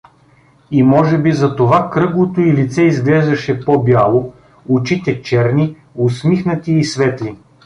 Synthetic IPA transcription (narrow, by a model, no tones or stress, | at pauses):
imɔʒɛbizɐt̪ovakɾɤɡlˠot̪oilit̪sɛizɡlɛzɐʃɛpobjalˠo | ʊt͡ʃit̪ɛt͡ʃɛɾni | ʊsmixnət̪iːsvɛt̪li